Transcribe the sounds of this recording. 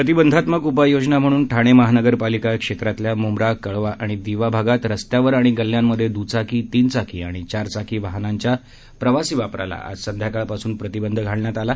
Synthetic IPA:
pɾət̪̬ibənd̪ʱat̪məɡup̬ajod͡ʑnam̤əɽ̃uːnʈʰaɽ̃eməɦanəɡəɾpalikakʂet̪ɾat̪ljamomɾakəɭʋaʔaɽ̃id̪iʋabʱaɡat̪ɾəst̪jaʋəɾaɽ̃iɡəlːjamːəd̪ʱjed̪ut͡sakʰiːt̪iːnt͡sakʰḭːa̰ɽ̃it͡ɕaɾt͡sakʰiːʋaɦnaɲt͡ɕja | pɾəʋasiːʋapɾa̰la̰a̰sənd̪jakaɭpasuːnpɾət̪ibənd̪ʱəɡʱaɭɳjat̪ala

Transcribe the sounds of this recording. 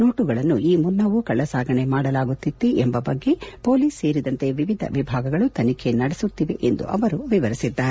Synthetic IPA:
no̞ːʈuɡɐɭɐnːuʔiːmunːɐʋukɐɭːɐsaːɡɐɳe̞maːɽɐlaːɡut̪ːit̪ːeʔembɐbɐɡːe̞po̞ːliːsːe̞ːɾid̪ɐnt̪e̞ʋiʋid̪ʱɐ̰ʋibʱaːɡɐɡɐɭut̪ɐnikʰe̞nɐɽesut̪ːiʋe̞ʔend̪ṵʔɐ̰ʋɐɾuʋiʋɐɾisid̪ːaːɾe

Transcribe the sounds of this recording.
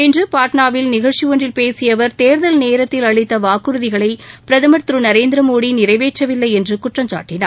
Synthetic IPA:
ɛndrɯpaːʈɳaːʋɪlnɪɣɐɭt͡ʃɪʋɔɳrɪlpeːsɪjɐʋɐɾt̪eːɾðɐlneːɾɐt̪ːɪlɐɻɪt̪ːɐʋaːkɯɾɯðɪɣɐɭɐɪpɪɾɐðɐmɐt̪ɾɯnɐɾeːnd̪ɪɾɐmoːɽinɪɾɐɪʋeːt͡ʃːɐʋɪlːɐɪɛndrɯkʊʈrɐmt͡ʃa̰ːʈːɪna̰ːɾ

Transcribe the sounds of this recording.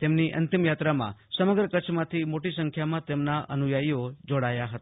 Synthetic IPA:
t̪emniʔə̰nt̪imjat̪ɾamã̰səməɡɾəkət͡ʃʰmãt̪ʰimoʈisəŋkʰjamãt̪emnaʔənujaiod͡ʒoɽajaɦət̪aa

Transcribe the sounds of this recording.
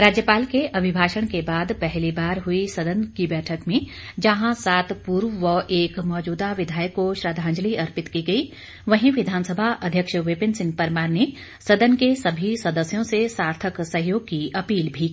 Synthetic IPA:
ɾaːd͡ʒjəpaːlkeʔɐbʱɪbʱaːʃəɽ̃kebaːd̪pɛɦlibaːɾɦʊisɐd̪ənkibɛːʈʰəkmẽ | d͡ʒɐɦãsaːt̪puɾʋʋəʔeːkmɔːd͡ʒuːd̪aʋɪd̪ʱaːjəkːoʃɾaːd̪ʱãːnd͡ʒliɐɾpɪt̪kiɡɐi | ʋɐɦĩʋɪd̪ʱaːnsəbʱaʔɐd̪ʱjəkʃʋɪpɪnsɪ̃ŋɡ̚pɐɾmaːɾne | sɐd̪ənkesɐbʱisɐd̪əsjõsesaːɾt̪ʰəksɐɦjoːɡ̚kiɐpiːlbʱi

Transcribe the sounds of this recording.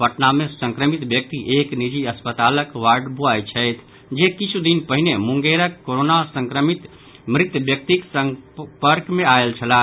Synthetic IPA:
bəʈnamesə̃ŋkɾəmit̪bjək̚t̪iʔeknid͡ʒiəspət̪aləkʋaɾɖbuajt͡ʃʰəjt̪ʰ | d͡ʒekit͡ʃʰud̪inpəɦinemuŋɡeɾəkːoɾonasə̃ŋkɾəmit̪ | mɾit̪jəbjək̚t̪iksəpəɾɡmẽaelt͡ʃʰəla

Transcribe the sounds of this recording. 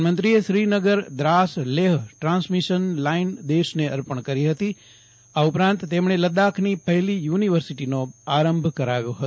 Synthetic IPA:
mənt̪ɾieʃɾinəɡəɾd̪ɾasleɦʈɾãnsmiʃənlaind̪eʃneəɾpəɳkəɾiɦət̪i | aupɾãnt̪ːemɳ̃eləd̪akʰnipəɦlijuniʋəɾsiʈinoaɾəmbʱkəɾaʋjoɦət̪

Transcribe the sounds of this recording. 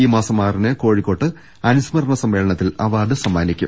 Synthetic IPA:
iːmaːsɐmːaːrinɨko̞ːɻikːo̞ːʈːɨ | ɐnusmɐrɳɐsɐmːeːɭɐɳɐt̪ːilɐ̰ʋaːɖɨsɐmːaːnikʲːṵm

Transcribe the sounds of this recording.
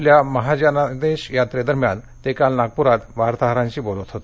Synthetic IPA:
ljaməɦad͡ʑanad̪eɕjat̪ɾed̪əɾmja̰n | t̪ekalnaɡ̚puɾat̪ʋaɾt̪aɦəɾãɲt͡ɕiːbolət̪ɦot̪

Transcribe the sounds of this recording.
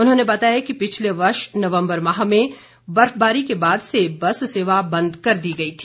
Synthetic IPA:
ʊnɦõːnebɐt̪aːjakipɪt͡ʃʰleʋɐɾʃnɐʋə̃mbəɾmɐɦamẽ | bɐɾfbaːɾikebaːd̪sebɐsseːʋabɐ̃nd̪kɐɾd̪iːɡɐit̪ʰi̥ː

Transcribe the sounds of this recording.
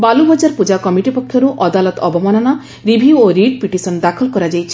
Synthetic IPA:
balubʱɔd͡ʒaɾpud͡ʒakɔmiʈipɔkʰːjɔɾuʔɔd̪alɔt̪ɔbɔmɔnɔnɔ | ɾibʱioɾiɖpiʈisɔnd̪akʰɔlkɔɾad͡ʒajt͡ʃʰi̥

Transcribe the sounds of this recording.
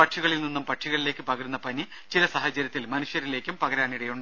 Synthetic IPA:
pɐʈʂiɣɐɭilninːumpɐʈʂiɣɐɭileːkːɨpɐɣɐɾunːɐpɐni | t͡ɕilɐsɐɦɐt͡ɕɐɾjɐt̪ːilmɐnuʂjɐɾile̞ːkʲːumpɐɣɐɾaːɳiɽɐjuɳɖɨ

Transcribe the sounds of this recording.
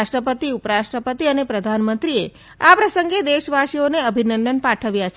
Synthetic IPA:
ʃʈɾəpət̪iupəɾaʃʈɾəpət̪iənepɾəd̪ʱanmənt̪ɾie | apɾəsəŋɡed̪eʃʋaʃioneəbʱinənd̪ənpaʈʰəʋjat͡ʃʰ

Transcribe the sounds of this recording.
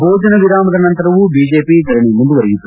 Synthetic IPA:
bʱoːd͡ʒɐnɐʋiɾaːmɐd̪ɐnɐnt̪ɐɾɐʋubiːd͡ʒeːpiːɡɐɾɐɳimund̪uʋɐɾiɡit̪ːu

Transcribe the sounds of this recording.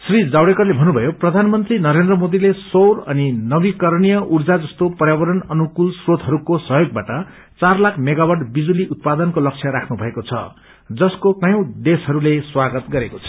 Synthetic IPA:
srid͡zawɽekʌrlebʱʌnːubʱʌjoprʌd̪ʱanmʌnt̪rinʌɾend̪rʌmod̪ilesowɾʌninʌbikʌrnijʌʔurd͡zad͡zʌst̪opʌrjabʌɾʌnʌnukulsrod̪ʱɦʌɾukosʌɦjoɡ̚baʈʌ | t͡sarlakʰmeɡawaɖbid͡zuliut̪̚pad̪ʌnkolʌk̚t͡sʰjʌɾakʰnubʱʌekot͡sʰʌ̰ | d͡zʌskokʌjʌ̃w̃d̪esʌɾuleswaɡʌt̪ɡʌɾekot͡sʰʌ̥

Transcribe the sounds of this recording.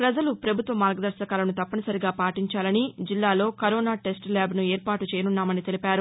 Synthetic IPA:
pɾɐd͡ʒɐlupɾɐbʱut̪ʋɐmaːɾɡɐd̪ɐɾʃɐkaːlɐnut̪ɐpːɐnɐsɐɾiɡaːpaːʈiɲt͡ʃaːlɐnid͡ʒilːaːlo̞ːkɐɾoːnaːʈe̞sʈlaːbnueːɾpaːʈut͡ʃɛːjɐnunːaːmɐnit̪e̞lipaːɾu

